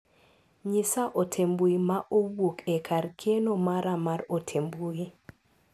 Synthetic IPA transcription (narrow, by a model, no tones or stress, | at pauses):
ɲisaʔotʰembuimaʔowokɛkʰaɾkʰenomaɾamaɾotʰembui